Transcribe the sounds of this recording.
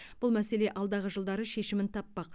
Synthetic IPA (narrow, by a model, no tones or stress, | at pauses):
b̥ʊlˠmæse̞le̞ʔɑlˠd̪ɑʁəʒəlˠd̪ɑɾəʃe̞ʃɪmɪnt̪ʰɑpːɑq